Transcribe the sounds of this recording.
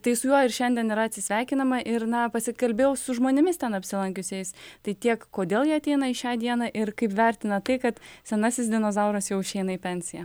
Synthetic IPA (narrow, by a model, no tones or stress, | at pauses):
t̪ɐɪsʊjuɔɪɾʃʲɛnʲd̪ʲɛniɾɐɐt̪ʲsʲɪsʲʋʲæːkʲɪnɐmɐʔɪɾnɐpɐsʲɪkɐlʲbʲeːjɛʊsʊʒmoːnʲɪmʲɪst̪ʲɛnɐpʲsʲɪlˠɐŋʲkʲʊsʲɛɪst̪ɐɪt̪ʲiɛkkːoːd̪ʲeːlˠjiɛɐt̪ʲɛɪnɐɪʃʲɑːd̪ʲiɛnɐʔɪɾkɐɪpʋʲæɾʲt̪ʲɪnɐt̪ɐɪkɐt̪sʲɛnɑːsʲɪs̬d̪ʲɪnoːzɐʊɾɐsjɛʊɪʃʲɛɪnɐɪpʲɛnʲsʲɪjæ